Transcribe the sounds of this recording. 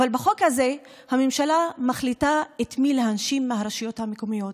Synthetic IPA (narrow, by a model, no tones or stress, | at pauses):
avalbaχo̞khaze̞ | hamemʃalamaχlitaetmileɦanʃimːehaʁaʃijo̞thamekomijo̞t